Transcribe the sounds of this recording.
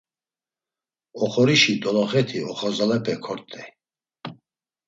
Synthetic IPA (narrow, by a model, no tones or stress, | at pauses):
ɔχɔɾiʃid̪ɔlɔχɛt̪ʰiɔχɔzalɛpʰɛkʰɔɾt̪ʰʼɛ